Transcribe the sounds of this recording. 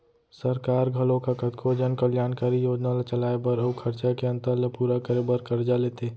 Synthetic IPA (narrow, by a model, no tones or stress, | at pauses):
səɾkaːɾɡʱəlõkakət̪kʰod͡ʒənkəljaːnkaːɾijoːd͡ʒnalat͡ʃəlaːebəɾəukʰəɾt͡ʃakeə̃nt̪əɾləpuːɾakəɾebəɾkəɾd͡ʒaleːt̪e